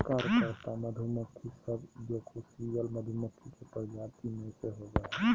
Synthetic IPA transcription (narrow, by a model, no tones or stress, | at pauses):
kaɾkəɾt̪aməd̪ʱumək̪ʰːisəbd͡ʒokʰusiʋəlməd̪ʱumət̪ʰːikepəɾd͡ʒat̪imẽseɦoɡəɛ